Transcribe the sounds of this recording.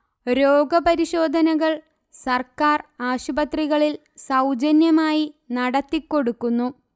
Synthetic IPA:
ɾo̞ːɡɐbɐɾiɕo̞ːd̪ʱɐnɐɣɐɭ | sɐrkaːraːɕubɐt̪riɣɐɭil | sɐwd͡ʑɐnjɐmaːjinɐɽɐt̪ːikːo̞ɽukːunːu

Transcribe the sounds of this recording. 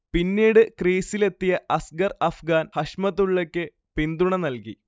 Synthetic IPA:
pinːiːɽɨkriːsile̞t̪ːijɐʔɐsɡɐrɐfɡaːnhɐʂmɐt̪ːuɭːekʲːɨ | pind̪uɳɐnɐlki

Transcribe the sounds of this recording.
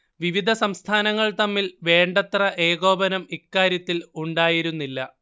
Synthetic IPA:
ʋiʋid̪ʱɐsɐmst̪ʰaːnɐŋːɐɭt̪ɐmːilʋe̞ːɳɖɐt̪rɐʔe̞ːɣo̞ːbɐnɐmikːaːɾjɐt̪ːiluɳɖaːjiɾunːilːɐ

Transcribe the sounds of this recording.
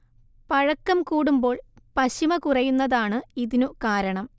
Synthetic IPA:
pɐɻɐkːɐmkuːɽumbo̞ːɭ | pɐɕimɐkurɐjunːɐðaːɳɨiðinukaːɾɐɳɐm

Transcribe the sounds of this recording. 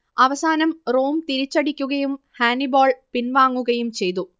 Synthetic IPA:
ɐʋɐsaːnɐmroːmt̪iɾit͡ɕːɐɽikʲːuɣɐjum | haːniboːɭpinʋaːŋːuɣɐjumt͡ɕe̞jt̪u

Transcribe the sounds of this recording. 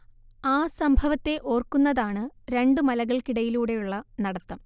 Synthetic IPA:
aːsɐmbʱɐʋɐt̪ːe̞ʔo̞ːrkunːɐðaːɳɨɾe̞ɳɖɨmɐlɐɣɐɭkiɽɐjiluːɽe̞juɭːɐnɐɽɐt̪ːɐm

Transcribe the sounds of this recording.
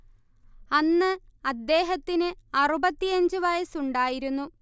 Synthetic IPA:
ɐnːɨɐd̪ːe̞ːɦɐt̪ːinɨɐrubɐt̪ːijɐɲd͡ʑɨʋɐjɐsuɳɖaːjiɾunːu

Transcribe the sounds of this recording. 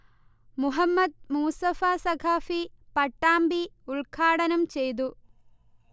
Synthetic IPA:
muɦɐmːɐd̪̚muːsɐfaːsɐkʰaːfipɐʈːaːmbiuɭkʰaːɽɐnɐmt͡ɕejt̪̬u

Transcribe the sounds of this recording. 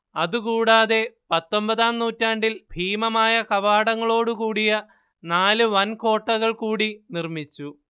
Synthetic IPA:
ɐðukuːɽaːðe̞pɐt̪ːo̞mbɐðaːmnuːtːaːɳɖilbʱiːmɐmaːjɐkɐʋaːɽɐŋːɐɭo̞ːɽukuːɽijɐ | naːlɨʋɐnko̞ːʈːɐɣɐɭkuːɽinirmit͡ɕːu

